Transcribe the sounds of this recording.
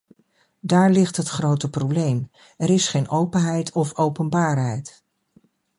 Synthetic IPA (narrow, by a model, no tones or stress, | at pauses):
daːɹlɪχtɦətχrowtəprowblejm | ɛɾɪsχejnʔowpənɦɛjtʰɔfowpənbaːɹɦɛjt